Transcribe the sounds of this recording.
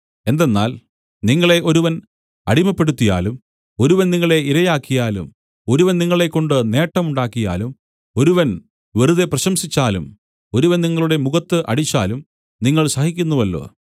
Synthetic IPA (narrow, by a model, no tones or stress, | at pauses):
e̞nd̪enːa̰ːl | niŋːɐɭe̞ʔo̞ɾuʋɐn | ɐɽimɐpːeɽut̪ːija̰ːlum | oɾuʋɐnniŋːɐɭe̞iɾɐjaːkːijaːlṵm | o̞ɾuʋɐnniŋːɐɭe̞kːo̞ɳɖɨne̞ːʈːɐmuɳɖaːkːija̰ːlum | o̞ɾuʋɐn | ʋeruðeprɐɕɐmsit͡ɕːaːlum | o̞ɾuʋɐnniŋːɐɭuɽemuɣɐt̪ːɨʔɐ̰ɽit͡ɕːa̰ːlum | niŋːɐɭsɐhikʲːunːuʋɐlːo̰ː